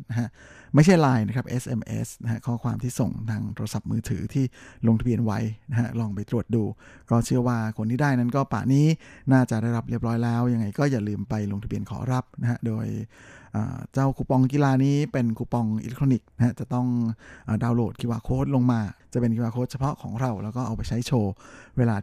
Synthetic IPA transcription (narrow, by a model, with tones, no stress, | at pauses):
na˦˥ɦa˦˥ʔ | ma˥˩jt͡ɕʰa˥˩jlaː˧jna˦˥kʰɾa˦˥p̚ʔe˦˥sʔe˧mʔḛ˦˥sna˥ɦa˦˥kʰɔː˥˩kʰwaː˧mt̪ʰiː˥˩so˨˩ŋt̪ʰaː˧ŋt̪ʰoː˧ɾa˧sa˨˩p̚mɯː˧t̪ʰɯ̰ː˩˦t̪ʰiː˥˩lo˧ŋt̪ʰa˧bi˧ənwa̰˦˥jna˦˥ɦa˦˥lɔː˧˩ŋpa˧jt̪ɾu˨˩ət̪̚duː˧ | kɔː˥˩t͡ɕʰɯ˥˩əwaː˥˩kʰo˧nt̪ʰiː˥˩daː˥˩jna˦˥nkɔː˥˩pa̰ː˨˩niː˦˥naː˥˩t͡ɕa˨˩ʔdaː˥˩jɾa˦˥p̚ɾi˥˩əp̚ɾɔː˦˥jlɛː˦˥wja˧ŋa˧jkɔː˥˩jaː˨˩lɯː˧mpa˧jlo˧ŋt̪a˧bi˧ənkʰɔ̰ː˩˦ɾa˦˥p̚na˦˥ha˦˥doː˧jʔa̰ː˨˩t͡ɕa˥˩wkʰuː˧˩pɔ˧ŋki˧laː˧niː˦˥pe˧nkʰuː˧˩pɔ˧ŋʔḭ˧le˦k̚t̪ʰo˧ni˨˩k̚na˦˥ha˦˥t͡ɕa˨˩t̪ɔ˥˩ŋʔəː˨˩daː˧wloː˨˩t̪̚kʰiː˧waː˧kʰoː˦˥˩t̪̚lo˧ŋmaː˧t͡ɕa˨˩ʔpe˧nkʰi˧waː˧kʰoː˦˥t̪̚t͡ɕʰa˧pʰɔ˦˥ʔkʰɔ̰ː˩˦ŋɾa˧wlɛː˦˥wkɔː˥˩ʔa˧wpa˧jt͡ɕʰa˦˥jt͡ɕʰoː˧weː˧laː˧